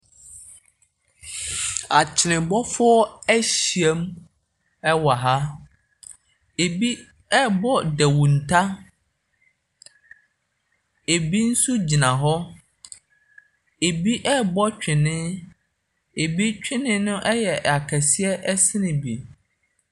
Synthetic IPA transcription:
a˨t͡ɕʰɪ˨nɪ̃˨bɔ˦fʊ˦ɔ˦æ˦ɕi˨ɛ˦m | ɛ˦wa˨ɦa˦ | e˨bi˦ | ɛ˦bɔ˦dɛ˨wũ˨n̩˨tʰa˦ | e˨bi˦n̩˦su˦d͡ʑi˨nã˨ɦɔ˦ | e˨bi˦ʔɛ˦bɔ˦t͡ɕᶣɪ̃˨nɪ̃˦ | e˨bi˦t͡ɕᶣɪ˦nɪ̃˦nʊ̃˦ʔɛ˦jɛ˨a˨kʰɛ˨si˦ɛ˦ʔɛ˦sɪ˦nɪ̃˨bi˨

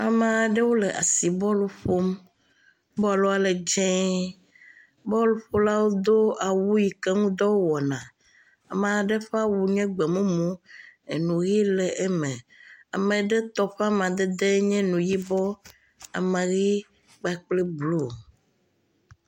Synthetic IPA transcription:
a˨mẽ˨a˨ɖe˦wo˦lɛ˨ʔa̰˨si˨bɔ˦lo˨ɸo˦m | bɔ˦a˨lo˦a˨le˨d͡ʒɛ̃˦ | bɔ˦lo˨ɸo˦la˦wo˦d̪o˦a˨wu˦ji˨kɛ˦ŋũ˦d̪ɔ˦wo˦wɔ˨nã˨ | a̰˨mɛ̃˨a˨ɖe˦ɸɛ˦a˦wu˨ɲɛ̃˦ɡ͡bɛ˨mũ˦mõ˦e˨nũ˨ɣi˦lɛ˨ʔe˦mɛ̃˨a˨mẽ˨ɖe˦t̪ɔ˨ɸa˦m˨ã˨d̪e˦d̪e˦ɲɛ̃˦nũ˨ji˦bɔ˦ | a̰˨mẽ˨ɣi˦ | ɡ͡ba˨˦k͡plɛ˦blu˦˨

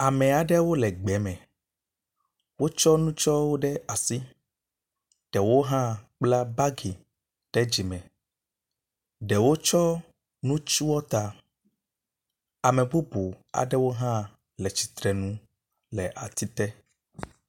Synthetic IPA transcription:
a˨mɛ̃˨a˨ɖɛ˦wo˦lɛ˨ɡ͡bɛ˨˦mɛ̃˨ | wo˦t͡ʃɔ˦nũ˦t͡ʃɔ˦wo˦ɖɛ˦a˨si˦ | ɖ̥ɛ˨wo˦ɦã˦k͡pla˦ba˦ɡi˨ | ɖ̥ɛ˦d͡ʒi˨mɛ̃˨ | ɖɛ˨wo˦t͡ʃɔ˦ | nũ˦t͡ʃu˦wɔ˦t̪a˦ | a˨mɛ̃˨bu˦bu˨a̰˨ɖɛ˦wo˦ɦã˦ | lɛ˨t͡ʃi̥˨t̪ɾɛ˨nũ˦ | lɛ˨ʔa̰˨t̪i˦t̪ɛ˦

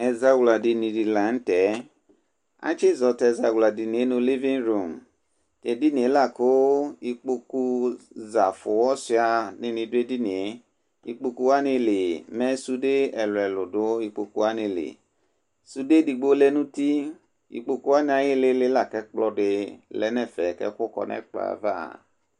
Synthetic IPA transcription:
ɛ˧za˧wla˨di˧nĩ˧di˧la˨˦n̩˦tɛ˨˦ | a̰˦t͡ʃe˦˨zɔ˧tɛ˧za˧wla˨di˧ni˨e˨˦nũ˧li˦vĩ˦nɾo˨m | tɛ˧˨di˦ni˨e˨˦la˦˨ko˦i˧k͡po˧ku˧za˨fʊ˨wɔ˦si˧a˧nĩ˧nĩ˧de˧di˦ni˨e˨˦ | i˧k͡po˧ku˧wa˦ni˧le˨mɛ̃˦su˧de˦ɛ˨lʊ˨ɛ˨lʊ˨dʊ˨˦i˧k͡po˧ku˧˦wa˦ni˧˨lḛ˨ | su˧de˦di˧ɡ͡bo˦lɛ˦nũ˦ti˦ | ḭ˧k͡po˧ku˦wa˦nĩ˧a˧je˦le˧˦le˦la˦˨kɛ˨˦k͡plɔ˦dɪ˧lɛ˨˦nɛ˦˨fɛ˨kɛ̰˦kʊ˦kɔ̰˧nɛ̰˦k͡pa̰˨va̰˦˨

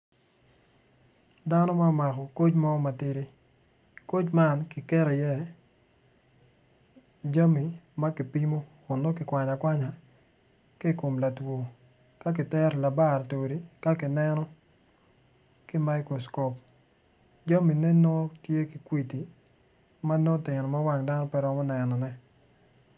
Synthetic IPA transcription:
da˦nɔ˦ma˦˨ma˨kɔ˨ko˦t͡ʃmɔ˦ma˨tɪ˦ɾi˦ | ko˦t͡ʃma˦nkɪ˨kɛ˦ɾɔ˨jɛ˦ | d͡ʒa˦mi˨ma˦kɪ˨pi˦mo˦ | ʊ˨no˦kɪ˨kwʷa˨ɲa˨kwa˦ɲa˨ | ki˦˨ko˨mla˨two˨ | ka˦k̬ɪ˨tɛ˦ɾla˨ba˦˨ɾto˨ɾi˨ka˦kɪ˨nɛ˦nɔ˦ | kɪ˦ma˦ikɾɔ˨skɔ˨p | d͡ʒa˦mi˨ne˦no˦tje˦ki˨kwi˦ti˨ | ma˦no˦tɪ˨nɔ˨ma˦wa˦ŋda˦nɔ˦pɛ˦ɾɔ˦mɔ˦nɛ˨nɔ˨nɛ˦

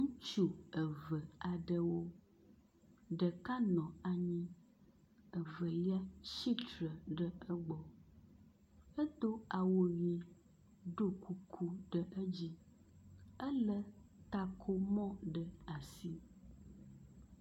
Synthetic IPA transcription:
ŋũ˦t͡ʃu˦ə˨və˨a˨ɖə˦wo˦ | ɖə˨ka˦nɔ̃˨a˨ɲĩ˦ | ə˨və˨li˦a˦ʃi˦t͡ʃɾə˨ɖə˦ə˦ɡ͡bɔ˨ | ə˦t̪o˦a˨wo˨ɥi˨ | ɖo˦ku˦kʰu˦ɖə˨ʔə˦d͡ʑi˦ | ə˦lə˦t̪a˨kʰo˦mɔ̃˦ɖə˨a˨si˦

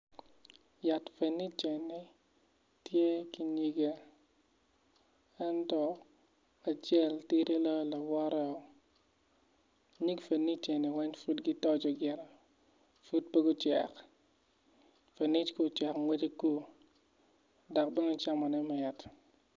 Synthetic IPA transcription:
ja˨tfe˨nːi˦t͡ʃe˨nːi˨ | tje˦ki˦ɲi˦ɡe˦ | ɛ˦ntɔ˦ | a˨t͡ʃɛ˦˨lti˦ɾe˦lɔ˦jɔ˦la˨wɔ˦ɾɛ˦ɔ˨ | ɲi˦kfe˨nːi˦t͡ʃe˨ni˨wɛ˦ɲfu˦dɡi˦tɔ˦d͡ʒɔ˨ɡɪ˨ɾɛ˨ | fu˦d̚pe˦ɡu˦t͡ʃɛ̰˨k | fe˨ni˦t͡ʃko˦t͡ʃɛ˨kŋwɛ˦d͡ʒe˦ku˦ | dɔ˨k̚bɛ˦nɔ˦t͡ʃa˦mɔ˨nɛ˦mɛ˨ja˨t

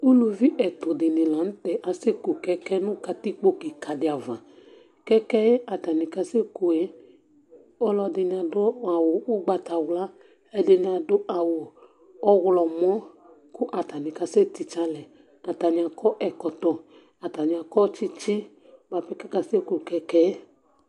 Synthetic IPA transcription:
u˦lu˨vi˦ʔɛ˨tʊ˨dɪ˨nɪ̃˨la˨n̩˦tɛ˨ʔa˨se˦ko˨kɛ˦kɛ˦nʊ̃˦ka˧ti˦k͡po˦ki˨ka˨dɪ˨a˨va˨ | kɛ˦kɛ˦ja˨ta˨nɪ˨ka˧se˦ko˨e˦ | ɔ˦lɔ˧dɪ˨n˨a˨dʊ˦a˨wʊ˨ʊ˦ɡ͡ba˨ta˨wla˦ | ɛ˦dɪ˨nɪ̃˨a˨dʊ˦ʔa˨wʊ˨ | ɔ˦ɣlɔ˨mɔ̃˦ | kʊ˦ʔa˨ta˨nĩ˨ka˧se˦t̪i˨t͡ʃa˧˦lɛ˨ | a˨ta˨ɲ˨a˨kɔ˦ʔɛ˨kɔ˨t̪ɔ˨ | a˨ta˨ɲ˨a˨kɔ˦t͡ʃi˦t͡ʃi˦ | ba˨pɛ˦kɛ˦ka˦se˦ku˨kɛ˧kɛ˦

